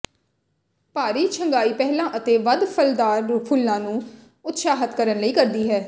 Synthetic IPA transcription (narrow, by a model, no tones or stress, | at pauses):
paːɾiːt͡ʃʰəŋɡaːiːpɛːɦlãːʔət̪eːʋəd̪pʰəld̪aːɾpʰʊlːãːnũː | ʊt̪saːɦət̪kəɾənləiːkəɾd̪iːɦɛː